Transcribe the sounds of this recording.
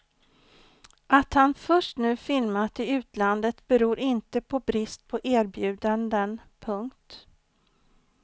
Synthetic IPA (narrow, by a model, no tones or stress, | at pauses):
ʔat̪hanfœʂʈnʉ̟ːfɪlmat̪ɪʉ̟ːt̪land̪ət̪bɛɾuːɾɪnt̪əpʰɔbɾɪst̪̚pʰɔʔæːɾbjʉ̟ːd̪and̪ənpʰɵŋkt̪